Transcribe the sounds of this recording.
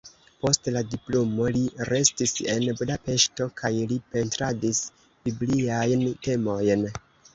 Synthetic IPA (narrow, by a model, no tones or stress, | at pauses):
po̞stladiplomo̞liɾe̞stise̞nbudape̞ʃto̞kajlipe̞ntɾadis | b̥ibliajnte̞mo̞jn